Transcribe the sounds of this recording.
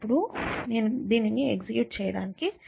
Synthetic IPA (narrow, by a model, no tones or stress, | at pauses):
pːuɽuneːnud̪iːniniekzikjuːʈ̚t͡ʃɛːjɐɽaːniki